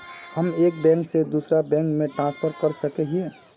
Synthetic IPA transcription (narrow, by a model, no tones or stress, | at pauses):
həmeːk̚bɛ̃ŋksed̪uːsɾabɛ̃ːŋkmẽʈɾãːspʰəɾkəɾsəkeɦiẽ